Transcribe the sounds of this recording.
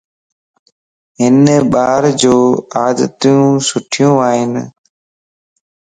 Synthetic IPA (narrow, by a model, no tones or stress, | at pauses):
ɦɪnɓaːɾd͡ʑoːaːd̪ət̪jũːsʊʈʰɪjũːaːɦɪn